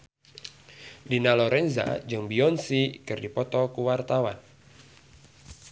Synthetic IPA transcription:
dinalɔɾɛnza̰d͡ʒɨŋbiɔnsikɨrdipɔt̪ɔkuwart̪awan

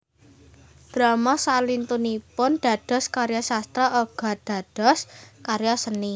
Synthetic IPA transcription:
d̪̥ɾamasalint̪unipʊnɖ̪̥a̤d̥ɔ̤skaɾjasast̪ɾaʔoɡ̥a̤d̥a̤d̥ɔ̤skaɾjasəni

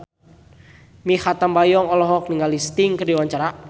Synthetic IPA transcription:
mihat̪ambajɔŋɔlɔɦɔk̚niŋalist̪iŋkərdiwaɲt͡ʃaɾa

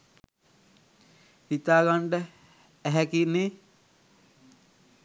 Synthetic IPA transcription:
hit̪aːɡaɳɖə | æɦɛkine

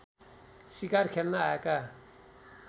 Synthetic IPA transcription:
sikarkʰelnaaɛka

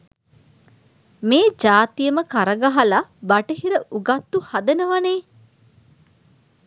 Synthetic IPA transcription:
meːd͡ʒaːt̪ijəməkaɾəɡaɦalabaʈeɦiɾəʔuɡat̪ːuhad̪enəʋaneː

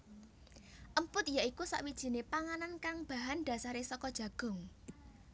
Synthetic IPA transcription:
ʔəmpʊt̪̚jaʔikusa̰ʔwid̥ʒ̥i̤nepaŋanankaŋb̥ä̤ɦanɖ̥ä̤saɾesɔkɔd̥ʒ̥ä̤ɡ̥ɔ̤ŋ

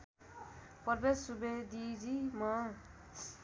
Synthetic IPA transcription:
pʌrbesubed̪id͡zimʌ

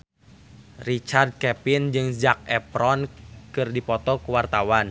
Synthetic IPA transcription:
rit͡ʃard̪̚kɛpind͡ʒɨŋd͡ʒak̚ɛpɾɔnkɨrdipɔt̪ɔkuwart̪awan

